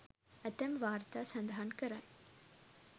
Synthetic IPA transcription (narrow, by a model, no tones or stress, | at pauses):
æt̪ɛmʋaːɾt̪aːsɐnd̪aɦankəɾaj